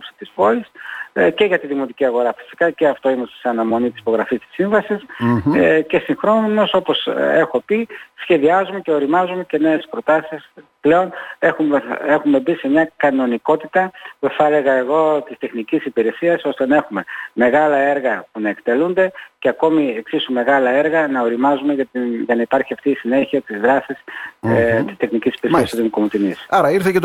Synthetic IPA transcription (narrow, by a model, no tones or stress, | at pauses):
popsi̥t̪ispo̞isce̞ʝɐt̪iðimo̞t̪iciɐɣo̞ɾɐfi̥si̥kɐce̞ɐft̪o̞imest̪seɐnɐmo̞nit̪i̥si̥po̞ɣɾɐfist̪i̥siɱvɐsis | ce̞siŋxɾo̞numo̞so̞po̞se̞xo̞pisçe̞ðiɐzume̞ce̞o̞ɾimɐzume̞ce̞ne̞espɾo̞t̪ɐsisple̞o̞nexume̞xume̞bise̞mɲɐkɐno̞niko̞t̪it̪ɐpuθele̞ɣɐe̞ɣo̞t̪ist̪e̞xnicisipiɾe̞siɐso̞st̪e̞nɐe̞xume̞me̞ɣɐlɐe̞ɾɣɐpunɐe̞kt̪e̞lund̪e̞ce̞ɐko̞mieksisume̞ɣɐlɐe̞ɾɣɐnɐo̞ɾimɐzumeʝɐʝɐnɐipɐɾçiɐft̪iːsine̞çiɐt̪izðɾɐsis | t̪i̥st̪e̞xnicisi̥piɾesiɐst̪oðimukomut̪inisɐɾɐiɾθecet̪